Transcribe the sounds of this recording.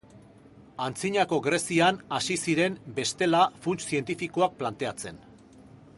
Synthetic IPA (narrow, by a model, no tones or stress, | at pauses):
ant͡siɲako̞ɡɾe̞sianasisiɾe̞mbe̞st̪e̞lafunt͡ʃsie̞nt̪ifikoak̚plant̪e̞at͡se̞n